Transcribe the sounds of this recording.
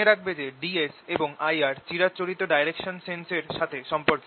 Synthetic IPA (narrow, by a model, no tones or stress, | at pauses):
eɾak̚ʰbed͡ʑeɖieseboŋajaɾt͡ɕiɾat͡ɕoɾit̪ːoɖajɾekʃonsenseɾʃat̪ʰeʃɔmpoɾk